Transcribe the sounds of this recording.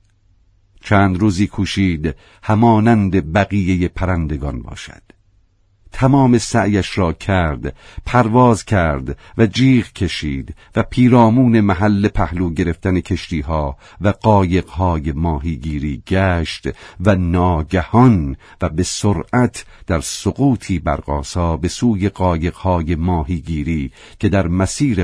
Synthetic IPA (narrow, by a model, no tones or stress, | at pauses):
t͡ʃʰæːnd̪ɾuːziːkʰuːʃiːd̪ | hæmɒːnænd̪e̞bæɣije̞je̞pʰæɾænd̪e̞ɡɒnbɒ̰ːʃæ̰d̪̥ | t̪ʰæmɒːme̞sæʔjæʃɾɒːcʰæɾd̪pʰæɾvɒːzcʰæɾd̪væd͡ʒiːʁcʰe̞ʃiːd̪væpʰiːɾɒːmuːne̞mæɦælːe̞pʰæhluːɟe̞ɾe̞ft̪ænekʰe̞ʃt̪iːɦɒː | væɡɒːje̞ɣhɒːjemɒːɦiːɡiːɾiːɡæːʃt̪vænɒːɟæhɒn | væbe̞soɾʔæt̪ʰ | d̪̥æɾsoɣuːt̪ʰiːbæ̰ɾɢ̥ɒ̰ːsɒːbe̞suːje̞ɣɒːje̞ɣ̥hɒːje̞mɒːɦiːɡiːɾiː | cʰe̞d̪æɾmæsiːɾe